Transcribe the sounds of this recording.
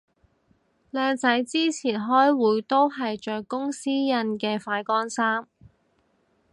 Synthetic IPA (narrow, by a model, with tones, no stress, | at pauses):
lɛː˧ŋt͡sɐ˨˥jt͡siː˥t͡sʰiː˨˩nɦɔː˥jwuː˨˥jt̪o˥wɦɐ˨jt͡ʃœː˨kːʊ˥ŋsiː˥jɐ˧nkɛː˧faː˧jkɔː˥nsaː˥m